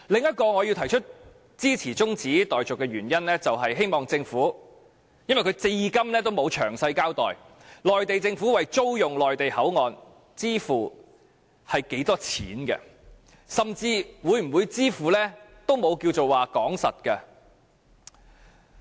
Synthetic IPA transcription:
lɪ˨ŋɐ˥t̚kɔː˧ŋɔː˨˧jiː˧wt̪ʰɐ˨˩jt͡ʃʰɵ˥t̚ | t͡siː˥t͡sʰiː˨˩t͡sʊ˥ŋt͡siː˨˥t̪ɔː˨˩jt͡sʊ˨kːɛ˧ɥyː˨˩njɐ˥nlɛː˥t͡sɐ˨wɦɐ˨jɦe˥jmɔː˨˩ŋt͡sɪ˧ŋfuː˨˥ | jnwɐ˨jkʰɵ˨˧ɥt͡se˧ji˨˧kɐ˥mlɛː˥t̪o˥wmo˨˧wt͡ʃʰœ̰ː˨˩ŋsɐ˧jkaː˥wt̪ɔ̰ː˨j | lɔː˨jt̪e˨jt͡sɪ˧ŋfuː˨˥wɐ˨jt͡so˥wjʊ˨ŋlɔː˨˩jt̪e˨jhɐ˨˥wŋɔː˨n | t͡siː˥fuː˨˩ | hɐ˨jke˨˥jt̪ɔː˥t͡sʰḭː˨˥nkɛ̰˧ | sɐ˨mt͡siː˧wuː˨˧jm̩˨˩wu˨˧jt͡siː˥fuː˨˩lɛː˥t̪o˥wmo˨˧wkiː˧wt͡so˨waː˨kɔː˨˥ŋsɐ̰˨t̚kɐ˧

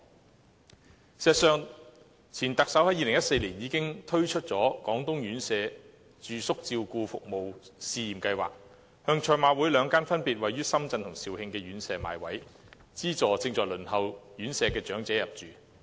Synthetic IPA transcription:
sɛː˨˩t̚sœː˨˧ŋ | t͡sʰiː˨˩nt̪ɐ˨k̚sɐ˨˥whɐ˨˥jiː˧lɪ˨˩ŋjɐ˥t̚se˧jliː˨˩njiː˨˧kɪ˥ŋt̪ʰɵ˥ɥt͡ʃʰɵ˥t̚t͡sɔː˨˥kɔː˨˥ŋt̪ʊ˥ŋjyː˨˥nsɛː˨˧ | t͡ʃyː˨˧sʊ˥k̚t͡siː˧wkuː˧fʊ̰˨k̚mo˨wsiː˧jiː˨˩mkɐ˧jwa̰ː˨k̚ | hœː˧ŋt͡ʃʰɔː˧˩jmaː˨˥wuː˨˥jlœː˨˧ŋkaː˥nfɐ˥npiː˨t̚wɐ˨jːyː˥sɐ˥mt͡sɐ˧nt̪ʰʊ˨˩ŋsi˨whɪ˧ŋkɛː˧ɥyː˨˥nsɛː˨˧maː˨˧jwɐ˨˥j | t͡siː˥t͡sɔː˨˧t͡sɪ˧ŋt͡sɔː˨jlɵ˨˩nhɐ˨wjyː˨˥nsɛː˨˧kɛː˧t͡ʃœː˨˥ŋt͡sɛː˨˥jɐ˨p̚t͡ʃyː˨

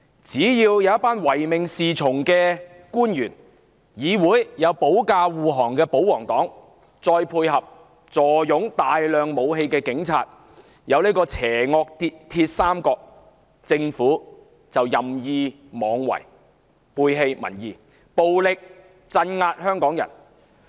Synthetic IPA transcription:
t͡siː˨˥jiː˧wjɐ˨˦wɐ˥t̚paː˥nwɐ˨˩jmɪ˨ŋsiː˨t͡sʰʊ˨˩ŋkɛː˧ | kuː˥njyː˨˩n | jiː˨˧wuː˨˥jjɐ˨˧wpo˨˥wkaː˧wuː˨ɦɔː˨˩ŋkɛː˧po˨˥wɔː˨˩ŋt̪ɔː˨˥ŋ | t͡sɔː˧jpʰuː˧jɦɐ˨p̚ | t͡sɔː˨˩jʊ˨˥ŋt̪aː˨jlœː˨ŋmo˨˧wɦe˧jkɛː˧kɪ˨˥ŋt͡sʰa̰ː˧t̚ | jɐ˨˧wniː˥kɔː˧t͡sʰɛː˨˩ŋɔː˧k̚t̪i˧t̪ʰiː˧t̚saː˥mkɔː˧k̚ | t͡sɪ˧ŋfuː˨˥ | t͡sɐ˨wjɐ˨˩mjiː˧ | mɔː˨˧ŋwɐ̰˨˩j | pʰuː˧jɦe˧jmɐ̰˨˩njiː˨˧ | po˨wlɪ˨k̚ | t͡sɐ˧nŋaː˧t̚hœː˥ŋkɔː˨˥ŋjɐ̰˨˩n

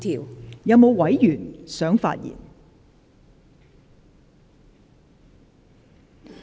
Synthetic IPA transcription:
t̪ʰiː˨˩wjɐ˨˧wmo˨˧wwɐ˨˥jjyː˨˩nsœː˨˥ŋfa̰ː˧t̚jḭː˨˩n

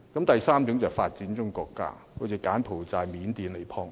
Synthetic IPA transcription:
kɐ˨˥mt̪ɐ˨jsaː˥mt͡sʊ˨˥ŋt͡sɐ˨˩wfaː˧t̚t͡siː˨˥nt͡ʃʊ˥ŋkɔː˧kːa̰ː˥ | hʰo˨˧˥t͡sʰiː˨˧kaː˨˥npʰo˨˩wt͡saː˧jmiː˨˥nt̪iː˨˧nle˨˩jpʰɔː˥ŋ

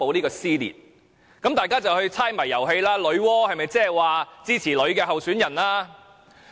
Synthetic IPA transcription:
po˨˧wniː˥kɔː˧siː˥lḭː˨˩t̚ | kɐ˨˥mt̪aː˨jkaː˥t͡sɐ˨whɵ˧ɥt͡sʰaː˥jmɐ˨˩jːɐ˨˩wɦe˧jlaː˥lɵ˨˧˥ɥwɔː˥hɐ˨jmɐ˨jt͡sɛː˥ɛ˨˩waː˨t͡siː˥t͡sʰiː˨˩lɵ˨˧ɥkɛː˧ɦɐ˨wsyː˨˥njɐ˨˩nlaː˥

